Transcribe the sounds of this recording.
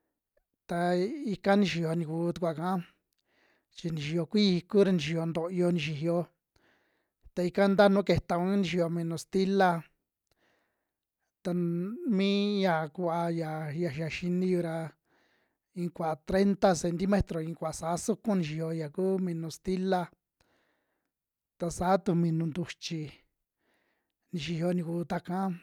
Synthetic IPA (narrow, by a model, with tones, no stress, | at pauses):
t̪a˧i˧ka˦nĩ˧ʃi˧˨jo˨˧nĩ˧kuː˧˦t̪u˧kʷa˨kã˦ | t͡ʃi˧nĩ˨ʃi˨˧jo˧kʷi˦˧ku˦ɾa˧nĩ˨ʃi˧jo˧nd̪o˧˨˧o˧nĩ˧ʃi˨ɦjo˧ | t̪a˧i˧ka˦nd̪a˦nũ˦ke˧t̪a˧kũ˦nĩ˧ʃi˧˨jo˧mĩ˧nõ˧˨st̪i˦la˧ | t̪a˧mĩ˦ja˨kʷa˧ja˨ja˧˨ʃa˨ʃi˧nĩ˧ju˧ɾa˧ | ĩ˧kʷa˨t̪ɾe˦nt̪a˧se˧nt̪i˧mẽ˦t̪ɾo˨ĩ˧kʷa˨sa˨˦su˦kũ˦nĩ˧ʃ̬i˧hjo˧ja˨kuː˦mĩ˧nũ˧st̪i˦la˧ | t̪a˧saː˨˦t̪u˧mĩ˧nũ˧nd̪u˧t͡ʃi˧ | nĩ˧ʃi˧hjo˧nĩ˧kuː˧˦t̪a˧kã˦